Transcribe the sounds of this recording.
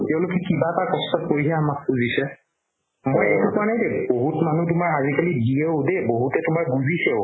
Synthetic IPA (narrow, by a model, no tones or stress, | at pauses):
tɛʊ̃lʊkɛkibatakɔstɔt̚poɹiaamak̚buzisɛ | mojɛ̰tukanɛdɛboɦutmanut̬ʊmaɹazikalidʱieʊdeboɦutɛtʊmaɹbuzisɛʊ